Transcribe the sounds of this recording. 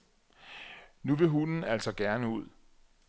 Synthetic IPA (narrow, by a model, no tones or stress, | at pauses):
nuʋe̝ɦunn̩æl̰sɒ̽ɡ̥æɐnəuð̰ˠ